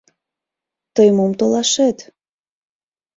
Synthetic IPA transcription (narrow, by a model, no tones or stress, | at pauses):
t̪əjmomt̪olɑʃet̪